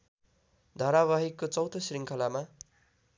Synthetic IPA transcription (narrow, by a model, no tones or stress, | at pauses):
d̪ʱʌɾaβaɦikːot͡sʌwt̪osriŋkʰʌlama